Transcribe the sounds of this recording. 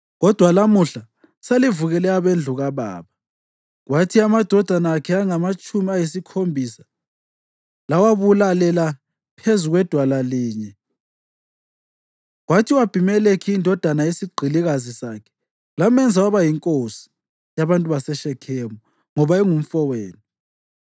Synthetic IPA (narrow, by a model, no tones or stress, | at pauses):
ɣɔd̥ʱwalamuɬa | salivuɣɛlɛaβend͡ɮʱuɣaβa̰ːβa | ɣwatʰiamad̥ʱɔd̥ʱanaːkʰɛaŋamat͡ʃʼumiajisikʰombʱisḁ | lawaβulalɛla | pʰezuɣwɛd̥ʱwalaliːɲɛ | ɣwatʰiwab̥ʱimɛlekʰiːndʱɔd̥ʱanajesiɡ͡ǃʱiliɣazisaːkʰɛ̥ | lamɛnd͡zʱawaβajiŋkʼosi̥ | jaβantʼuβasɛʃɛkʰɛːmɔ | ŋɔβaɛŋum̩fɔweːnu